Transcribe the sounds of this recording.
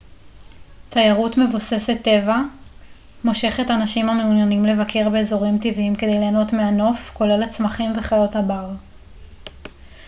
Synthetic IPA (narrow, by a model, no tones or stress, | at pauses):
t̪ʰajaʁutme̞vuse̞se̞t̪ːe̞va | mo̞ʃe̞χe̞tanaʃimameunjanimle̞vakʰe̞ʁbe̞ːzo̞ʁimtiviimke̞d̪e̞jleːno̞tmeano̞fko̞le̞lat͡smaχimve̞χajo̞thabaʁ